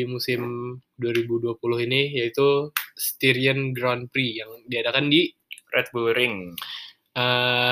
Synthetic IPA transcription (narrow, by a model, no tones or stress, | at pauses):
imusɪmduaɾibuduapulʊhinijait̪ust̪iɾiənɡɾanpɾijaŋdiadakandi | rʔɛ̰t̪̚buɾɪŋ | ə